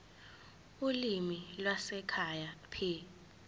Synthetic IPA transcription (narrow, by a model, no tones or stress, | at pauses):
ulimilwasɛkʰajapʰi